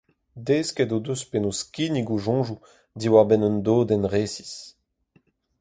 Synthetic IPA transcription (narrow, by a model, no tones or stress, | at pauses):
deːskɛdod̪øspenoskiniɡoʒɔ̃ːʒu | d̪iwaʁbɛnɔnd̪oːdɛnʁeːsi̥s